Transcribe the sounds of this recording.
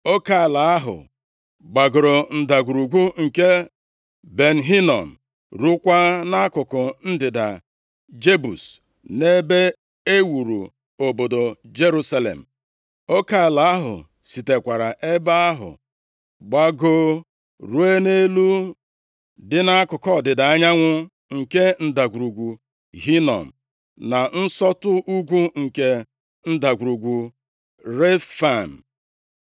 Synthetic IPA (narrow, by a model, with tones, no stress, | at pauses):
o˦ka˨ɪ˨la˨˦a˦ɦʊ̰˨ | ɡ͡ba˨ɡʊ˨ɾo˨n̩˨da˨ɡʷu˨ɾu˨ɡʷu˦ŋ̩˨ke˦ | be˨n̩˨ɦi˦nɔ̰˨n̩˨ | ɾu˦kʷa˦na˦kʊ˨kʊ˨n̩˦dɪ˨da̰˨ | d͡ʒe˦bu˨s | ne˦be˦ | e˦wu˨ɾṵ˨ | o˨bo˨do˨d͡ʒe˦ɾu˦sa˦lḛ˨m̩˨ | o˦ka˨ɪ˨la˨˦a˦ɦʊ̰˨ | si˨te˨kʷa˨ɾa˨ʔe˦ba˦a˦ɦʊ̰˨ | ɡ͡ba˦ɡo˦ | ɾu˦e˦ne˦lu˦ | dɪ˦na˦a˦kʊ˨kɔ˦˨dɪ˨da˨a˦ɲa˦ŋʷʊ˦ | ŋ̩˨ke˦n̩˦˨da˨ɡʷu˨ɾu˨ɡʷu˨ | ɦi˦nɔ̰˨m̩˨ | na˨n̩˦sɔ˦tʊ˦ʔu˦ɡʷu˦ŋ̩˨ke˦ | n̩˦da˨ɡʷu˨ɾu˨ɡʷu˨ | ɾe˦fa˨n̩˨